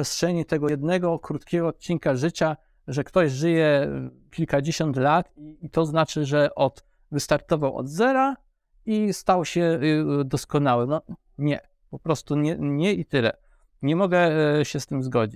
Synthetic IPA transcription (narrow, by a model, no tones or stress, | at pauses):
ɛstʂɛɲit̪ɛɡɔjɛd̪nɛɡɔkɾut̪kʲɛɡɔːt̪̚t͡ɕiŋkaʐɘt͡ɕa | ʐɛkt̪ɔʑʐɘjɛkʲilkad͡ʑeɕɔnt̪lat̪it̪ɔznat͡ʂɘʐɛʔɔt̪ | vɘst̪aɾt̪ɔvawɔ̰d̪zɛɾa | ist̪awɕɛd̪ɔskɔnawɛmnɔ | ɲɛ | pɔpɾɔst̪uɲɛɲɛit̪ɘlɛ̰ | ɲɛmɔɡɛɕɛst̪ɘmzɡɔd͡ʑit͡ɕ